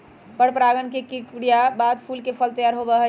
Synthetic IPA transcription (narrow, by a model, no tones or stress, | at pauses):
pəɽpɾaɡənkekikɽijabad̪pʰulkepʰəlt̪əjaɾɦobəɦə